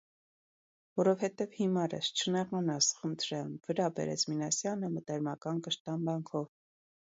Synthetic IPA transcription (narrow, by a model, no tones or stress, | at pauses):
vɔɾɔvhɛt̪ɛvhimɑɾə̰st͡ʃʰənɛʁɑnɑsχənt̪ʰɾɛlnvəɾɑbɛ̰ɾɛ̰t͡sʰminɑsjɑnəmət̪ɛɾmɑkɑnkəʃt̪ɑnbɑŋkʰɔv